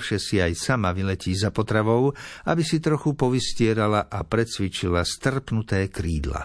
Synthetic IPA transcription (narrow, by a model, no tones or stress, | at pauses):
fʃɛsiajsamaʋilɛciːzapɔt̪ɾaʋɔʊabisit̪ɾɔxupɔʋiscɪɛɾalaʔapɾɛt͡sʋit͡ʃilast̪r̩pnut̪ɛːkɾiːd̪la̰